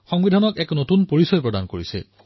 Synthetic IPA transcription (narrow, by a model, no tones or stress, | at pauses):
xɔŋbidʱanɔkɛknotunpoɹisɔjpɹɔdankoɹisɛ̰